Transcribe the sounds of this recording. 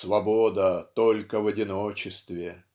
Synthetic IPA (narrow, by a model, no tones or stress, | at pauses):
svɐbod̪ət̪o̞lʲkəvɐdʲɪnot͡ɕɪst̪vʲɪ